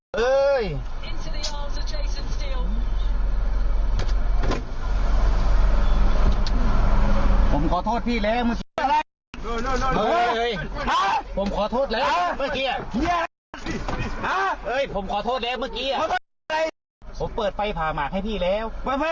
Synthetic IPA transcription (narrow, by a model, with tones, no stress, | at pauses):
ʔɤː˧j | ɪ̃ntʰuðiɔːlzəd͡ʒeɪsə̃nsti˧lˠ | pʰo˩˦mkʰɔː˨˩˦t̪ʰoː˥˩t̪̚pʰiː˥˩lɛː˦˥˩wmɯ˥˩ki˧a˧a˧˩˧ | ɤː˧˩˧jʔa˧˥pʰo˩˦mkʰɔː˨˦t̪ʰoː˥˩t̪̚lɤː˧˥mɯ˥˩kiː˧ɐ˩i˧˥˩a˧ | ʔa˧˥ʔɤː˧˩jpʰo˩˦mkʰɔː˨˦t̪ʰoː˥˩t̪̚lɛː˦˥˩wmɯ˥˩kiː˧˩˨ | a˧j | pʰo˩˦mpɤː˨˩t̪̚fa˧jpʰaː˨˩maː˨˩k̚ha˥˩jtp̪ʰiː˥˩lɛː˦˥˩wma˧˦˩a˦˥